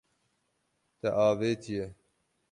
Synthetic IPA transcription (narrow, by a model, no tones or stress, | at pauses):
t̪ɛʔɑːveːt̪ʰijɛ